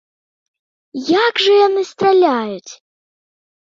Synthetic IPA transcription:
jakʐɐjanɨst̪ralʲajut͡sʲ

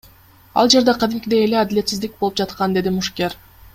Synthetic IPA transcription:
ɑ̰lˠd͡ʒe̞ɾd̪ɑqʰɑd̪imkʲd̪eele̞ɑd̪ɪlʲe̞t̪sizd̪ik̚bolˠupd͡ʒɑt̪qɑnd̪e̞d̪imuʃkʲeɾ

